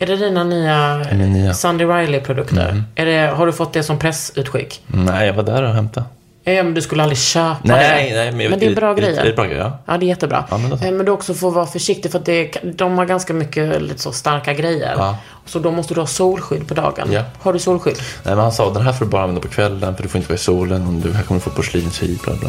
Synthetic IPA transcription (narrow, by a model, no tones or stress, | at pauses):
æɖɛd̪iːnanyːa | sand̪ɪɾajlɪpʰɾʊd̪ɵkt̪ʰə̰ɾʔæɖɛɦaɖɵfɔt̪ːd̪ɛsɔmpʰɾɛsʉ̟ːt̪ɧɪ̰kːnɛɪavad̪æɾɔɦɛmt̪ʰa | mɛnd̪ɵskɵlːalɾɪɕøːpnanɛmɛmɛnd̪ɛbɾɑːɡɾɛjːə̰ɾbɾɑːɡɾɛ̰jʔɑ̰ːd̪ɛjɛt̪ːəbɾɑ̰ːʔa̰nɛnmɛnd̪ɔksɔfoːɾvɑːafœʂɪk̚t̪ɪfœɾat̪̚d̪ɛkʰd̪ɔmhaɾɡanskamʏkːəlḭːt̪ə̥sɔst̪aɾkaɡɾɛjːə̰ɾ | sɔd̪ɔmɔst̪əd̪ɵhɑːsuːlɧʏd̪ːpʰɔd̪ɑ̰ːɡə̰nhaɖɵsuːlɧʏd̪ːnɛ̰mɛnhansɑːd̪ɛnɦæːɾfoːd̪ɵbɑːɾanɛnd̪apʰɔkʰvɛlːənfœɖɵfoːɪnt̪əvɑːɪsuːlənɔmd̪ɵɦækʰɔmːəɾɖɵfoːpʰɔʂliːnsyːbl̰bl̰